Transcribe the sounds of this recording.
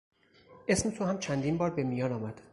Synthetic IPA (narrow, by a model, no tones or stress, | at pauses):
ʔe̞smet̪ʰohæmt͡ʃʰænd̪iːnbɒːɾbe̞mijɒːnɒːmæd̪̥